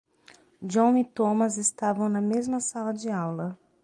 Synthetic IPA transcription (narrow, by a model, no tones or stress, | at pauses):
d͡ʒõw̃it̪õmɐzɪst̪avɐ̃w̃nɐmezmɐsalɐd͡ʒɪawlɐ